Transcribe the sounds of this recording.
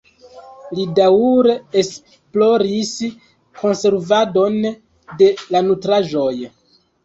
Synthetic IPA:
lidauɾees | plo̞ɾis | ko̞nse̞ɾvado̞n | de̞lanutɾaʒo̞j

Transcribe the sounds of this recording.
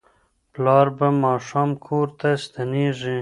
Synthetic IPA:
plɑːɾbamɑːʂɑːmkʰoːɾt̪ast̪aniʐi

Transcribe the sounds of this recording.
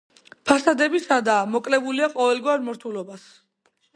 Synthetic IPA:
pʰasad̪ɛbisad̪aːmɔkʼlɛbuliaqʼɔvɛlɡwaɾmɔɾt̪ʰulɔbas

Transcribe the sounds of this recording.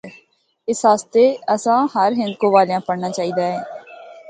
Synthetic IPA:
ɪsɦaːst̪eːəsãːɦəɾɦɪ̃nd̪kõːʋaːlejãːpəɽnaːt͡ʃaːiːd̪aːɦɛː

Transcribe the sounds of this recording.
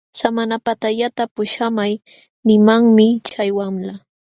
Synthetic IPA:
samanapat̪aʎat̪apʊʃamaj | nɪmaŋmɪt͡ʃajwamla

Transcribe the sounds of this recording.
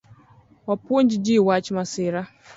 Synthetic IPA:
wapuon̩d͡ʒid͡ʒiwat͡ʃimasɪːɾa

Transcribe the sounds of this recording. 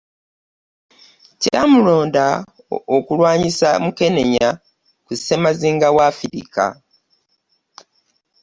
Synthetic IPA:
camulo̞ːnda | okulwaːɲisa̰muke̞ne̞ɲa | kuse̞maziːŋɡawaːfiɾḭka̰

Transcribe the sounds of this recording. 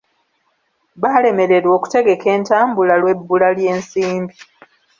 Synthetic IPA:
βaːle̞me̞ɾe̞ɾwo̞ːku̥te̞ɡe̞ke̞ːntaːmbulalwe̞bːulalje̞ːnsiːmbi

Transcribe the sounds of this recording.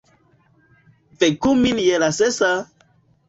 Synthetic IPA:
vɛkuminjɛlasɛsa

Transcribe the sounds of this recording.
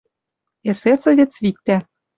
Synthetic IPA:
eset͡sɤ̆vʲĕt͡svik̚t̪æ

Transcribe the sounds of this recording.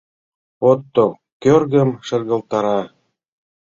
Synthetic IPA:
ot̪ːo | kørɣə̆mʃə̆rɣɤ̆lt̪ɑɾɑ

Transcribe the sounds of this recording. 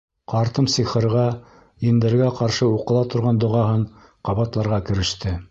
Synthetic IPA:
qɑɾt̪ɤmsiχɤ̆ɾʁɑ | ind̪ɘ̆ɾɡæqɑɾʃɤuqɤ̆lˠɑt̪ŏɾʁɑnd̪ŏʁɑɦɤɴ | qɑβɑt̪lˠɑɾʁɑkɘ̆ɾɘ̆ʃt̪ɘ

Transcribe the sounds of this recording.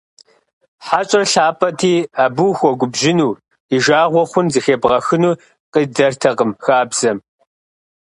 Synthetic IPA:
ħat͡ʃʼɐrɬaːpʼɐtʰiːaːbuxʷɔɡʷʊbʒɪnuː | iʒaːʁʷɔχʷʊnzixeːbʁɐxɨnuː | qidɐrtʰɐqəmxaːbz̥ɐm

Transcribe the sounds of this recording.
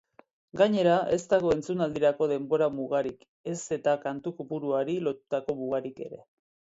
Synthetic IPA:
ɡaɲe̞ɾaʔe̞st̪aɣ̞o̞e̞nt͡sunald̪iɾako̞ðe̞mbo̞ɾamuɣ̞aɾik | e̞se̞t̪akant̪ukupuɾuaɾilo̞t̪u̥t̪ako̞muɣ̞aɾike̞̰ɾe̞̰

